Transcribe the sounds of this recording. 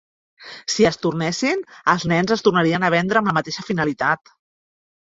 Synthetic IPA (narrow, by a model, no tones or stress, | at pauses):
siəst̪urnɛsinəlˠznɛnzəst̪urnaɾiənəβ̞ɛnd̪ɾəːmləmət̪eʃəfinəlit̪at̪